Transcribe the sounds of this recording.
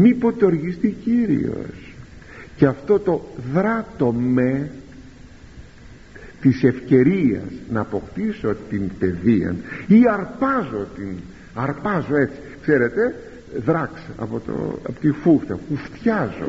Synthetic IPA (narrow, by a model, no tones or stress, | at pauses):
mipot̪oɾʝist̪iciɾḭo̰s | ceɐft̪o̞t̪o̞ðɾɐt̪o̞me | t̪ise̞fce̞ɾiɐ̰snɐːpo̞kt̪isot̪inpe̞ðiɐ̰niɐɾpɐzo̞t̪in | ɐɾpɐzo̞e̞t͡si̥kseɾe̞t̪e̞ | ðɾɐksɐ̰pot̪o̰ɐ̰pot̪ifuxt̪ɐpuft̪çɐzo̰